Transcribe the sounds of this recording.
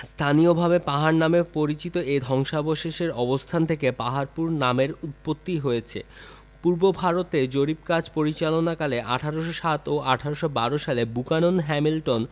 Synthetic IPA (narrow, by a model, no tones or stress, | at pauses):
st̪ʰaniobʱabepaɦaɾnamepoɾit͡ɕit̪oʔed̪ʱɔŋʃaboʃeʃeɾɔbost̪ʰant̪ʰekepaɦaɾpuɾnameɾut̪̚pot̪ːiɦojet͡ɕʰḛ | puɾbobʱaɾot̪ed͡ʑoɾip̚kad͡ʑpoɾit͡ɕalonakaleʔaʈʰaɾoʃ̬oʃat̪oʔaʈʰaɾoʃobaɾoʃalebukanonɦɛmilʈon